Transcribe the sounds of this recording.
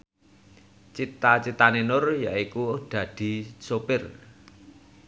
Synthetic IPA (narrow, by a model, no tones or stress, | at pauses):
t͡ʃit̪at͡ʃit̪anenʊrjaikud̪̥ä̤d̪̥i̤sopɪr